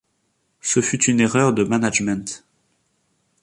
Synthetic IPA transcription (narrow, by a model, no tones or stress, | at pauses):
səfyt̪yneʁœʁd̪əmanaʒmɛ̃t̪